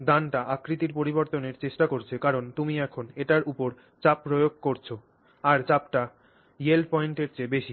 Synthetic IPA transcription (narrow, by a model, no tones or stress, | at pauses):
d̪anʈaʔakɾit̪iɾpoɾiboɾt̪oneɾt͡ɕeʃʈakoɾt͡ɕʰekaɾont̪umiɛkʰoneʈaɾupoɾ | t͡ɕapːɾojoɡ̚ʱkoɾt͡ɕʰo | aɾt͡ɕapʈa | jelpɔjɳʈeɾt͡ɕebeʃi